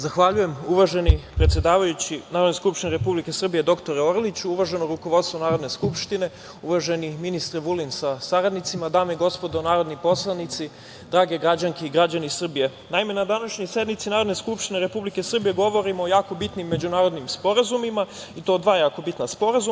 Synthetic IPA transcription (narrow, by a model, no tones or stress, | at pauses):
zaxʋaʎuje̞muʋaʒe̞nipɾet̪sʲjed̪aːʋajut͡ɕinaɾod̪neskupʃt̪ineɾe̞publike̞sr̩bije̞d̪o̞kt̪o̞ɾeorlit͡ɕuuʋaʒe̞noɾukoʋo̞d̪st̪ʋonaːɾo̞d̪ne̞skupʃt̪ine̞ | uʋaʒe̞niminist̪ɾeʋulinsasaɾad̪nit̪simad̪aːmeiɡo̞spo̞d̪o̞naːɾo̞d̪nipo̞slˠanit̪si | d̪ɾaːɡeɡɾad͡ʑaŋkeiɡɾad͡ʑanisr̩bije̞ | naime̞nad̪anaʃɲojse̞d̪mit̪sinaːɾo̞d̪ne̞skupʃt̪ineɾe̞publike̞sr̩bije̞ɡo̞ʋo̞ɾimoːjaːko̞bit̪nimːe̞d͡ʑunaːɾo̞d̪nimspo̞ɾazumima | it̪o̞ːd̪ʋaːjaːkobit̪naspo̞ɾazu